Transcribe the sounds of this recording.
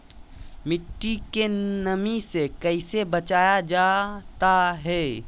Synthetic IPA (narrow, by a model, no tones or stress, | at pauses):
mɪʈːikenəmisekəɪsebɐt͡ʃaːjad͡ʒaːt̪aɦɛː